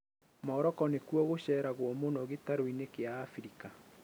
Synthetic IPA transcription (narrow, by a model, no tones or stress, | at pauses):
mɔːɾɔkɔnekuɔɣoɕɛːɾaɣwɔmonɔɣetaɾoinekeaːfɾika